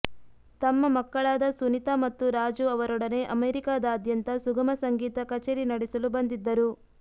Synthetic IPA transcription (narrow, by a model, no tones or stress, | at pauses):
t̪ɐmːɐmɐkːɐɭaːd̪ɐsunit̪amɐt̪ːuɾaːd͡ʒuɐʋɐɾɔɽɐne̞ʔɐmeːɾikaːd̪ɐːd̪jɐnt̪ɐsuɡɐmɐsɐŋɡiːt̪ɐkɐt͡ʃeːɾinɐɽɛsɐlubɐnd̪id̪ːɐɾu